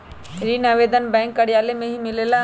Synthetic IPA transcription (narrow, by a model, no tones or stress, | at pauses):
ɾiːnaʋeːd̪ənbɛ̃ːŋkːɐɽjaːlemẽɦimɪlela